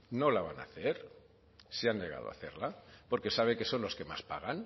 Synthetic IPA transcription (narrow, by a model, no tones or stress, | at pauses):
no̞laβana̰θeɾ | seanneɣ̞a̰ð̞oa̰θeɾlapo̞ɾke̞saβ̞eke̞so̞nlo̞ske̞ma̰spa̰ɣ̞an